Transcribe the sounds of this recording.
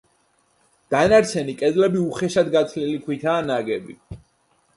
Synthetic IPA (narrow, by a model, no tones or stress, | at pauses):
d̪̥anaɾt̪sʰɛnikʼɛd̪lɛbiuχɛʃad̪ɡat̪sʰlilikʰwit̪ʰaːnaɡɛbḭ